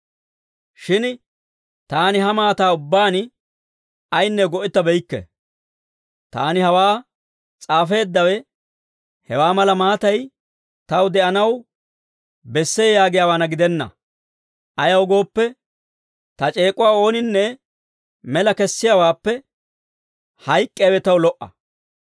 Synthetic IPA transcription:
ʃɪn | t̪aːnɪɦɐmaːt̪aːʊbːaːn | ɐjnːɛɡɔʔɪt̪ːɐbɛjkːɛ̰ | t̪a̰ːnɪhɐwaː | t͡sʼaːfe̞ːd̪ːɐwɛ | hɛwaːmɐlɐmaːt̪ɐj | t̪ɐwd̪ɛʔɐnɐw | bɛsːeːjaːɡɪjaːwaːnɐɡɪd̪ɛnːɐ̰ | ʔɐjɐwɡo̞ːpːɛ | t̪ɐt͡ʃʼe̞ːkʼʊwaːo̞ːnɪnːɛ | mɛlɐkɛsːɪjawaːpːɛ | hɐjkʼːeːwɛt̪ɐwlɔʔːɐ̰

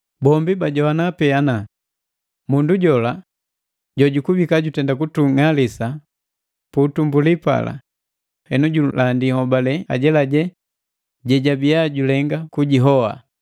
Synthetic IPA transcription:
bɔmbibaɟɔwanapɛana | munduɟɔla | ɟɔɟukubikaɟutɛndakutuŋalisa | putumbulipa̰la̰ | hɛnuɟulandihɔbalɛa̰ɟɛlaɟɛ | ɟɛɟabijaɟulɛŋɡakuɟiɦɔwa̰

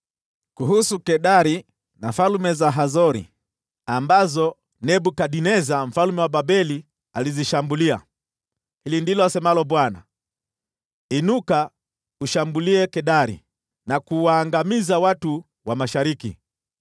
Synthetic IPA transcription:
kuɦusukɛɗaɾi | nafalumɛzaɦazɔɾḭ | ambazɔ | nɛbukaɗinɛzam̩falumɛwababɛli | aliziʃambulia̰ | hilindilɔasɛmalɔbwana̰ | inuka | uʃambuliɛkɛɗaɾḭ | nakuwaːŋɡamizawatu | wamaʃaɾikḭ

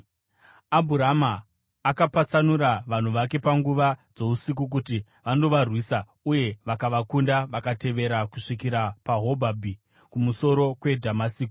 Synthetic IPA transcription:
abʱuɾamaː | kapat͡sanuɾaʋan̤uʋak̬e̞paŋɡuʋad͡zo̞usik̬uk̬uti | ʋando̞ʋarwiːsa | uje̞ʋakaʋakundaʋakate̞ʋe̞ɾakuʂikiɾapaɦo̞bʱabʱi | kumuso̞ɾo̞kwe̞dʱamasiːki̥

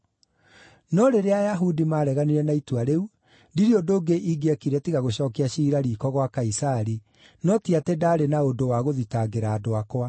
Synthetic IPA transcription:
nɔɾeɾeajaɦudimaːɾɛɣaneɾɛnaitwaɾeu | ndiɾiodoːɡeʔiɡeɛkiɾɛtiɣaɣoɕɔːkeaɕiːɾaɾiːkɔɣwakaisaɾi | nɔtiatedaːɾenaodowaɣoðitaɡeɾaːdoakwa

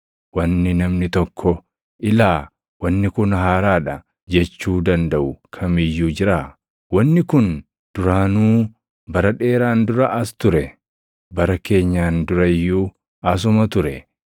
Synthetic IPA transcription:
wɐnːɪnɐmnɪt̪ɔkʰːɔ | ʔɪlaː | wɐnːɪkʊnhaːɾaːᶑɐ | d͡ʒɛt͡ʃːuːd̪ɐnd̪ɐʔʊkʰɐmɪjːuːd͡ʒɪɾaː | wɐnːɪkʊn | d̪̥ʊɾaːnuː | bɐɾɐᶑe̞ːɾaːnd̪ʊɾɐʔɐst̪ʊɾɛ | bɐɾɐke̞ːɲːaːnd̪ʊɾɐjːuː | ɐs̬ʊmɐt̪ʊɾɛ

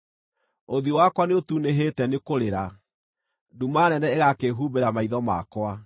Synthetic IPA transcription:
oðiowakwaneotuneɦetɛnekoɾeɾa | dumanɛnɛeɣakeɦubeɾamaiðɔma̰kwa

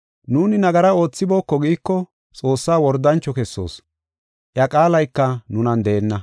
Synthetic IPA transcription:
nuːnɪnɐɡɐɾɐo̞ːt͡sːɪbo̞ːkːɔɡiːkːɔ | t͡sʼo̞ːsːaːwɔɾd̪ːɐnt͡ʃːɔkɛsːo̞̰ːs | ʔjɐkʼaːlɐjkːɐnʊnɐnd̪ɛːnːɐ

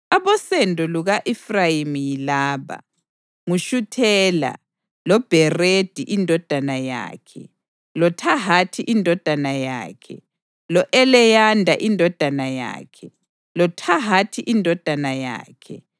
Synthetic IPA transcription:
aβɔsɛndʱɔluɣaʔɛfrajimijilaːβa̰ | ŋuʃutʰɛːla̰ | lɔb̥ʱɛred̥ʱiʔindʱɔd̥ʱanaja̰ːkʰɛ | lɔtʰaɦatʰiʔindʱɔd̥ʱanaja̰ːkʰɛ | lɔʔɛlɛjandʱa̰ʔindʱɔd̥ʱanaja̰ːkʰɛ | lɔtʰaɦatʰiʔindʱɔd̥ʱanaja̰ːkʰɛ

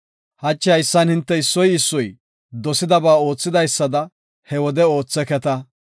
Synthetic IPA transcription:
hɐt͡ʃːɪɐjɪsːɐnhɪnt̪ːɛɪsːɔjɪsːɔj | d̪ɔsɪd̪ɐbaːo̞ːt͡sːɪd̪ɐjsːɐd̪ɐ | hɛwɔd̪ɛo̞ːt͡sːɛkɛt̪ɐ

